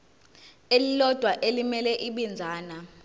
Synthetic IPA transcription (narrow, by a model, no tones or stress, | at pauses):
elilɔd̥ʱwaʔelimɛlɛʔiɓind͡zʱaːna